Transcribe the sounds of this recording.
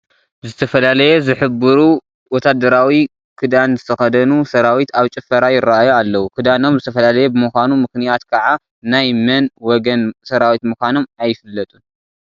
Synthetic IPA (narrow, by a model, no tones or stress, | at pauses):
zɨt̪ʰɐfɐlalɐjɛzɨħɨbɨɾu | wɔt̪ʰad̪ɐɾawi | kʰɨd̪anzɨt̪ʰɐxɐd̪ɐnusɐɾawit̪ʰaβt͡ʃʼɨfɐɾajɪrːaʔajoalːɐwukʰɨd̪ano̞mzɨt̪ʰɐfɐlalɐjɛbɨmɨkʷanumɨxnijat̪kʰɐʕa | najmɐnwɔɡɐnsɐɾawit̪mɨkʷano̞majːɪfɨlːɐt̪ʼun